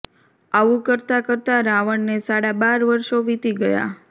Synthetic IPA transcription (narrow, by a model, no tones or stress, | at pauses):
aʋukəɾt̪akəɾt̪aɾaʋəɳnesaɽabaɾʋəɾʃoʋit̪iɡəja̰